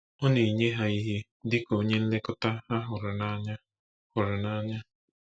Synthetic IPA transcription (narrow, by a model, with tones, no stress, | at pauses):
ɔ˦ni˨ɲe˦ɦa˨i˦ɦi˦ | dɪ˦ko˨˦ɲe˦n̩˦le˦kʊ˦ta˦ha˦ɦʊ˨ɾʊ˨na˦ɲa˦ | hʊ˨ɾʊ˨na˦ɲa˦